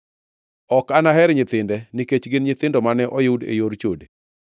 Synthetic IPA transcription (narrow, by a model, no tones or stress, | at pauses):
ɔkanaɦɛɾɲɪt̪ɪndɛniket͡ʃɡɪnɲɪt̪ɪndɔmanɛʔɔjudḛjoɾt͡ʃode